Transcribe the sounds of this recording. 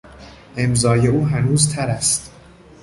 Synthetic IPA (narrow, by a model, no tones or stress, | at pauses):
ʔe̞mzɒːje̞uːɦænuːzt̪ʰæɾæst̪